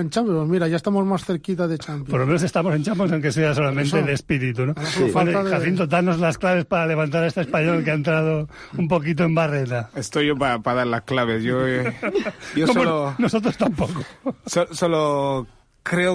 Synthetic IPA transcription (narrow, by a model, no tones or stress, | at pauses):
ent͡ʃamppomiɾajaest̪amozmasθeɾkit̪aðet͡ʃamppoɾlomenos̬est̪amose̞nt͡ʃampjons̬awŋkes̬easolamẽnt̪elespiɾit̪unokaθint̪od̪anozlasklaβ̞e̞spaale̞βant̪̬aɾaest̪espaɲolelk̬eaent̪ɾað̞o | umpokit̪̬oe̞mbaret̪aest̪ojʝopapaðaɾlasklaβesjo | joskomoonosot̪ɾost̪ampokososolo | kɾeo